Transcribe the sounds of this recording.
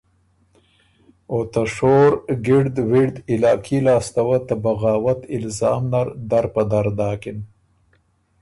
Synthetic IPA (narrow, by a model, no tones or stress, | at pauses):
ot̪ɐʂoːɾɡiɽd̪wiɽd̪ɪlaːkʰilaːst̪ɐwɐt̪ɐbɐɣaːwɐt̪ɪlzɑːmnɐɾd̪ɐɾpɐd̪ɐɾd̪aːkin